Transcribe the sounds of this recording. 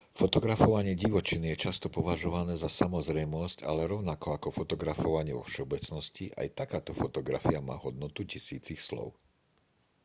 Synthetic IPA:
fɔt̪ɔɡɾafɔʋaɲɪɛɟiʋɔt͡ʃinijɛt͡ʃast̪ɔpɔʋaʒɔʋanɛːzasamɔzɾɛjmɔsca̰lɛɾɔʊnakɔakɔfɔt̪ɔɡɾafɔʋaɲɪɛʋɔ̰fʃɛɔbɛt͡snɔsciʔa̰jt̪akaːt̪ɔfɔt̪ɔɡɾa̰fiama̰ːɦɔd̪̚nɔt̪ucisḭːt͡sixslɔ̰ʊ

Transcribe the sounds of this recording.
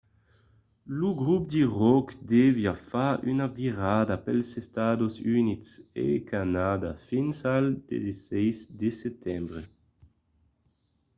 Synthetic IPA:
luɡʁupd̪iʁɔkd̪ɛvjafaʔynaviʁaːd̪apɛlsest̪ad̪osynitsḛkʰanaːd̪afinsald̪̥ḛzesɛjzd̪esɛt̪ɛmbʁe

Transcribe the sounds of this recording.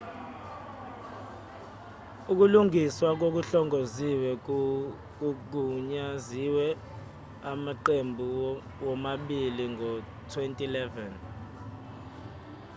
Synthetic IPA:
uk̬uluŋiswak̬ok̬uɬɔŋoziwɛ | uk̬uɲaziwɛ | amaǃembʱu | wɔmaɓiliŋʱɔ | tʰwentʼilɛvɛn

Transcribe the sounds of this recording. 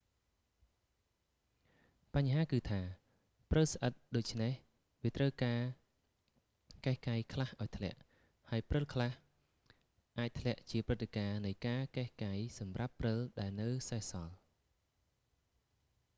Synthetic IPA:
paɲɦaːkɨːt̪ʰaː | prəlsʔət̪̚ɗoːc̚t͡ɕʰneh | ʋiət̪rəwkaː | kahkajkʰlahʔaɔjt̪ʰlɛ̆əʔ | haəjprɨlkʰlah | ʔaːc̚t̪ʰlɛ̆əʔt͡ɕiəprɨt̪ʰːekaːnɨjkaːkaɛhkajsɑmrapːrɨlɗaɛlnɨwsaɛhsɑl

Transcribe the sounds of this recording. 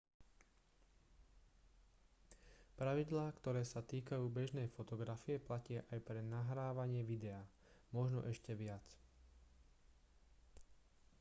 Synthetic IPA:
pɾaʋid̪laːkt̪ɔɾɛːsat̪iːkajuːbɛʒnɛjfɔt̪ɔɡɾafiɛplacɪaʔajpɾɛnaɦɾaːʋaɲɪɛʋid̪ɛaː | mɔʒnɔ̰ʔɛʃcɛʋɪat͡s

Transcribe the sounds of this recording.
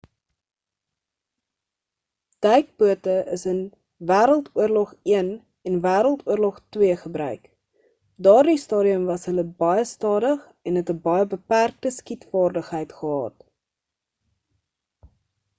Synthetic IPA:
d̥ɐjk̚buətəəsən | væːɾəlˠtuərlɔχiən | ɛnvæːɾəlˠtuərlɔχtwiəχəbrœɥk | dɑːrdistɑːɾiəmvɐsɦələbɐjəstɑːdəχ | ɛnɦɛtəbɐjəbəpærk̚təskitfɑːrdəχɦəjtχəɦɑ̰ːt

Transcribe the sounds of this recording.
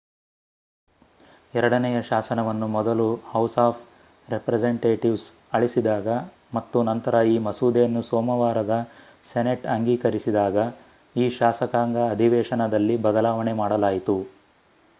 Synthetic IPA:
ɛɾɐɽɐnɛjɐʃaːsɐnɐʋɐnːumɔd̪ɐluhɐwsaːpʰ | ɾepɾed͡ʒeɳʈeːʈiʋs | ɐɭisid̪aːɡɐ | mɐt̪ːunɐnt̪ɐɾɐiːmɐsuːd̪eːnːusɔːmɐʋaːɾɐd̪ɐ | seneʈɐŋɡiːkɐɾisid̪aːɡɐ | iːʃaːsɐkaːŋɡɐːd̪ʱiʋɛːʃɐnɐd̪ɐlːibʱɐd̪ɐlaːʋɐnemaːɽɐlaːjit̪u

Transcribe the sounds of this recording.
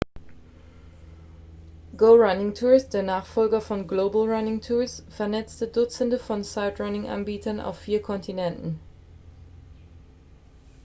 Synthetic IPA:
ɡ̥oʊʁanɪŋtʰuːɪst̚d̥eːɐnaːχfɔlɡɐfɔnɡloːbl̩ʁanɪŋtʰustfɛɐnɛt͡stədʊt͡sən̩dəfɔnsaɪtʁanɪŋʔa̰nbiːtʰɐnʔa̰ʊfːiːɐkʰɔntinɛntn̩

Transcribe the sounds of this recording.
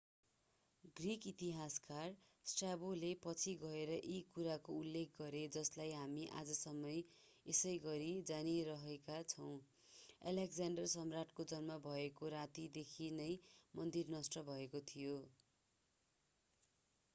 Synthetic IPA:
ɡrikit̪iɦaskarsʈrabolepʌt͡sʰiɡʌeɾʌʔikuɾakoulːek̚ʰɡʌɾed͡zʌslajɦamiʔa̰d͡zʌsʌmʌj | esʌjɡʌɾid͡zaniɾʌɦekat͡sʰʌw̃ | a̰lekd͡zaɳɖʌrsʌmraʈkod͡zʌnmʌbʱʌekoɾat̪id̪ekʰinʌjmʌnd̪irnʌsʈʌbʱʌekot̪ʰijo

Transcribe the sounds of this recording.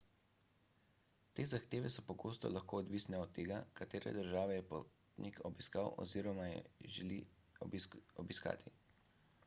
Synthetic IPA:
t̪eːzaxt̪eːʋɛsɔpɔɡoːst̪ɔ̰laxkʰoːd̪ʋiːsnɛɔt̪ʰːeːɡakat̪eːɾɛ̰d̪əɾʒaːʋɛjɛpott̪nikʰɔbiskawɔ̰ziːɾɔmajɛ̰ʒɛli | ɔbiska̰ːt̪ʰi

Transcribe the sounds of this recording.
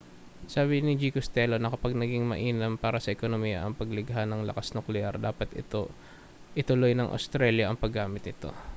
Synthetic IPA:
saːbɪnɪd͡ʒikost̪ɛlonɐkɐpaɡnɐɡɪŋmɐ̰ʔiːnɐmpaːɾɐsɐʔɛkonomiːjɐ̰ʔɐŋpɐɡlɪɡɦanɐŋlɐ̰kasnʊklɛʔaɾd̪aːpɐt̪ɪt̪o | ʔɪt̪ʊlo̞jnɐŋʔɐ̰st̪ɾɛljɐʔɐŋpɐɡːaːmɪt̪nɪt̪o̞̰

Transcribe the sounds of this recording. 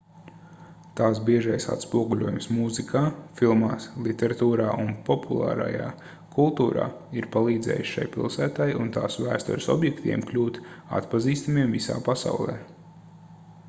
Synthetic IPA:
t̪aːsbiɛʒajsa̰t̪spuɔɡulʲuɔjumsmuzikʰaːfilˠmaːslˠit̪ʲɛɾat̪uːɾaːʔunpɔpʰulˠa̰ːɾa̰ja̰ː | kʰulˠt̪uːɾa̰ːiɾpalˠiːd̪zɛ̰ːj̰ʃʃa̰jpilˠsæːt̪ajunt̪aːsʋæːst̪ɔ̰ɾsɔ̰bjɛkt̪iɛmklʲuːt̪a̰t̪paziːst̪amiɛmvisa̰ːpasa̰wlˠɛ̰ː

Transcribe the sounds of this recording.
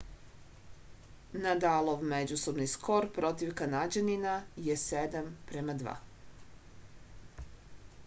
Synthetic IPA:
nad̪alˠoʋmed͡ʑuso̞bniskʰo̞ɾpɾo̞t̪iʋkanad͡ʑaninajesed̪ampɾemad̪ʋa̰

